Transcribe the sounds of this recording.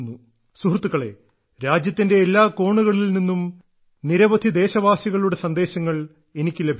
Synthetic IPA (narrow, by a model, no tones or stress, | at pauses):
nːu | suɦrt̪ːuɣɐɭe̞̰ | ɾaːd͡ʑjɐt̪ːinde̞ːlːaːko̞ːɳuɣɐɭilninːum | niɾɐʋɐd̪ʱid̪e̞ːɕɐʋaːsiɣɐɭuɽe̞sɐnd̪e̞ːɕɐŋːɐɭ | e̞nikʲːɨlebʱ